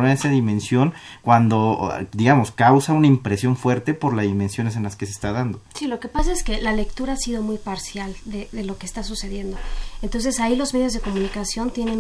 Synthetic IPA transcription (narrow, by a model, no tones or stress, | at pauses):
naesaðimẽ̞nsjo̞nkwand̪o̞d̪iɣamo̞skawsaunaimpɾe̞sjo̞ɱfwe̞ɾt̪e̞po̞ɾlazðimensjo̞nes̬e̞nlaskes̬eːst̪aðand̪osilo̞ke̞pasaeske̞lale̞kt̪uɾaasiðo̞mujpaɾsjald̪eðe̞lo̞keːst̪asuse̞ðje̞nd̪o̞ent̪o̞ns̬e̞sailo̞zme̞ð̞jo̞zð̞e̞ko̞munikasjo̞nt̪je̞ne̞n